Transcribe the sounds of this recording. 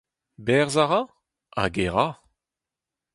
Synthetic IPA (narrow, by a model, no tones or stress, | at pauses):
bɛʁzaʁã | a̰ɡeʁa